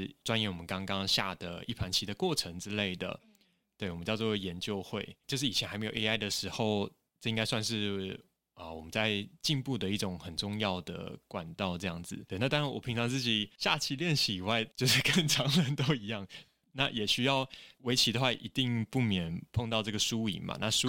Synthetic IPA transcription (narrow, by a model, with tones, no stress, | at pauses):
ʈ͡ʂwa˥njɛ˧˥nwɔ˨˩mə˦nkɑ˥ŋkɑ˥ŋɕja̰˥˩d̪ə˩i˥˩pʰa˧˥nt͡ɕʰi˧˥d̪ə˧˨kwɔ˥˩ʈ͡ʂʰə˧˥ŋʈ͡ʂɻ̩˥le˥˩ɪd̪ə̰˩ | t̪we˥˩ɪwɔ˨mə˦t͡ɕjɑ˥˧ʊt͡swɔ˥˨jɛ˧˦nt͡ɕjo˥˧ʊxwe˥˩ɪt͡ɕjo˥˧ʊʂ̬ɻ̩˥˩i˨˩ɛ˧na˧ɪme˧˥jo˨˩ʔe˥a˥ɪd̪ə˨ʂɻ̩˧˥xo˥˧ʊ | ʈ͡ʂɤ˥˩˧i˥ŋka˥ɪswa˥˧nʂɻ̩˥˩ | ə˩wɔ̰˨˩mə˦nt͡sa˥˧ɪt͡ɕi˥˧npu˥˩d̪ə˩i˥˩ʈ͡ʂʊ˨˩ŋxə˨˩nʈ͡ʂʊ˥˧ŋjɑ˥˨˩ʊd̪ə̰˩kwa̰˨˩nt̪ɑ˥˧ʊʈ͡ʂɤ˥˧jɑ˥˩ŋd͡zɹ̩˨˩we˥˩ɪna˥˩t̪ɑ˥ɻa˥nwɔ˨˩i˧˥ŋʈ͡ʂʰɑ˧˥ŋt͡sɹ̩˥˩t͡ɕi˨˩ɕja˥˧t͡ɕʰi˥˧ljɛ˥˧nɕi˧˩i˨˩wa˥˩ɪt͡ɕjo˥˧ʊʂɻ̩˥˧kə˥˩ŋʈ͡ʂʰɑ˧˥ŋlə˧˦nt̪o˥ʊi˧˥jɑ˥˩ŋ | na˥˩jɛ˨˩ɕy˥jɑ˥˩ʊwe˧˥ɪt͡ɕʰi˧˥d̪ə˨xwa˥˩ʔḭ˧˥t̪i˥˧ŋpu˥˩mjɛ˨˩npʰo˥˧ŋt̪ɑ˥˧ʊʈ͡ʂɤ˥˩ɡə˩ʂu˥˦ḭ˨˩mɐ̰˨˦na̰˥˧ʂu˥